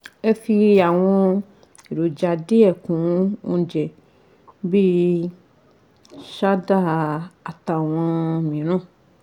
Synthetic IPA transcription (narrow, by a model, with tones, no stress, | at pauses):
e˦fi˦a˨w̃ɔ̃˦ | e˨ɖo˨d͡ʒa˨de˦ɛ˨kũ˨˦ŋũ˦d͡ʒɛ˨ | bi˦ | ʃa˦da˦˨a˨t̪a˨w̃ã˦mĩ˨nɔ̃˦